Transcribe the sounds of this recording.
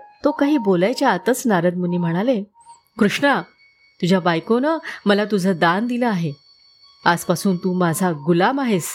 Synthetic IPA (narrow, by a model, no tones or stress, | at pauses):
t̪okaɦiːbolajt͡ɕjaːt̪ət͡snaɾət̪̚məniːm̤əɽ̃ale | kɾuʂɳa | t̪ud͡ʑʱjabajkonəməlat̪ud͡zʱəd̪and̪iləaɦe | ad͡zpasuːnt̪uːmad͡zʱaɡulamaɦes